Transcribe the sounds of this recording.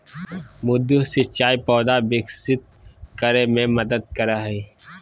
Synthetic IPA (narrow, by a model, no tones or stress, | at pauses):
mʊd̪usɪt͡ʃaːipɔːd̪abɪksɪt̪̚ | kəɾemẽmɐd̪əd̪̚kɐɾaɦɛ